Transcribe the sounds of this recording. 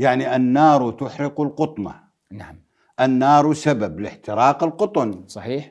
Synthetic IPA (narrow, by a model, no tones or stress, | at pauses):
jaʕniʔanːɑːɾˤut̪ʊħɾɪqʊlqʊt̪ˤmɑ̰ | nam | ʔanːɑːɾˤusabablɪħt̪ɪɾɑːqɪlqʊt̪ˤʊnsˤɑħiːħ